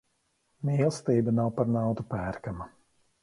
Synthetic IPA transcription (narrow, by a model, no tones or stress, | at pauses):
mʲiɛlˠst̪iːbanawpaɾnawt̪upæːɾkama